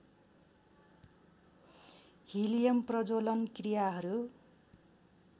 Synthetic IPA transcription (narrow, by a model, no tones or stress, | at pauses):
hilijʌmprʌd͡zolʌnkrijaɦʌɾu